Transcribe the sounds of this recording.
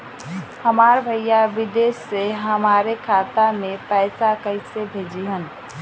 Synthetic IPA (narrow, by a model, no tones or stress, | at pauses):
həmaːɾbʱəjjaʋɪd̪eːsːeɦəmaːɾekʰaːt̪amẽpɛɪsakəɪsebʱeːd͡ʒiɦən